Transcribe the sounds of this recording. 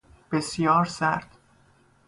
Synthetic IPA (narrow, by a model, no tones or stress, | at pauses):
b̥esjɒːɾsæɾd̪̥